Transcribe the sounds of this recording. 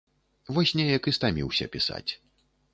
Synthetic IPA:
vɔsʲnʲɛjɐkɨst̪amʲḭwsʲɐ̰pʲisa̰t͡sʲ

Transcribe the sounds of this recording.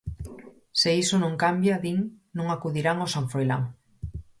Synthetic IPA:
seisonõŋkambjaðiŋ | nõŋakuðiɾaŋosaɱfɾojla̰ŋ

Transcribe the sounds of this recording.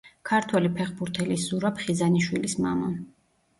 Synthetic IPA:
kʰaɾt̪ʰwɛlipʰɛχbuɾt̪ʰɛlisz̥uɾapʰχizaniʃwilismamɔn

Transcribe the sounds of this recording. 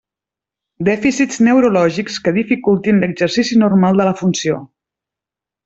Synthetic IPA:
d̪ɛfisiznəwɾulɔʒikskəðifikulˠt̪inləɡzərsisinurmalˠd̪ələfunsio

